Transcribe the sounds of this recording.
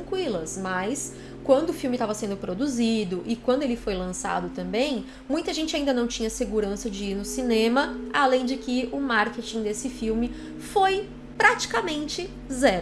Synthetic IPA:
tɾɐ̃kwilɐsmɐjs | kwɐ̃nd̪ʊːfiwmɪt̪avɐsẽnd̪ʊpɾod̪uzid̪ʊʔɪkwɐ̃nd̪ʊelɪfojlɐ̃sa̰d̪ʊt̪ɐ̃mbẽj̃ | mũj̃t̪ɐʒẽnt͡ʃɪaĩnd̪ɐnɐ̃w̃t͡ʃĩɲɐseɡuɾɐ̃sɐd͡ʒɪiɾnʊsinẽmɐalẽj̃d͡ʒɪkɪʊmaɾket͡ʃĩd̪esɪfiwmɪ | foj | pɾat͡ʃi̥kamẽnt͡ʃɪ | zɛɾ

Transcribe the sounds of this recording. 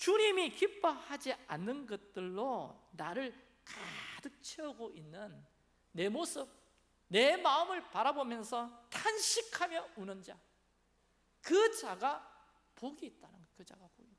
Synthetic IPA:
t͡ɕuɲimikip͈ʰʌhad͡ʑianːɯnɡʌt̚t͈ɯɭːo | naɾɯɭ | kadɯt͡ɕʰʌɡoʔinːɯnː | e̞mosʰɯp̚ | ne̞maɯmɯɭpaɾabomjʌnsʰʌtanɕʰikʰamjʌunɯnd͡ʑa | kɯd͡ʑaɡa | poɡiːt̚t͈anɯnkɯd͡ʑaɡapoɡi

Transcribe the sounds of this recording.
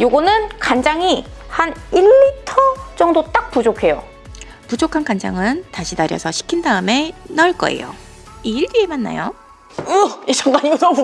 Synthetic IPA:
joɡʌnɯnkand͡ʑaŋihaniɭːitʰʌd͡ʑʌŋdot͈ak̚pud͡ʑokʰe̞jo̰ | pud͡ʑokʰankand͡ʑa̰ŋɯntaɕʰitaɾjʌsʰʌɕʰi̥kʰindaɯme̞nʌɭk͈ʌ̰ḛjo̰ | iːɭdie̞manːa̰jo | ɯit͡ɕʰʌŋɡaɲiɡʌno

